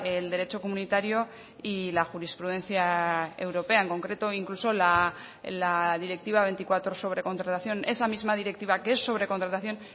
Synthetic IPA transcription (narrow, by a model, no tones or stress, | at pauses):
eld̪e̞ɾe̞t͡ʃo̞ko̞munit̪aɾjo̞ | ilaxuɾispɾuð̞e̞nθjae̞wɾo̞pe̞ae̞ŋko̞ŋkɾe̞t̪o̞iŋkluso̞la | laðiɾe̞k̚t̪iβaβe̞nt̪ikwat̪ɾoso̞β̞ɾe̞ko̞nt̪ɾat̪aθjo̞ne̞samizmað̞iɾe̞k̚t̪iβakeesːo̞β̞ɾe̞kont̪ɾat̪aθjo̞n